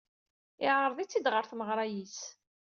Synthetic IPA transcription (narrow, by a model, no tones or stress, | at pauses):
ɪʕəɾˤðˤit͡sːid̪ʁəɾθməʁɾˤɑjis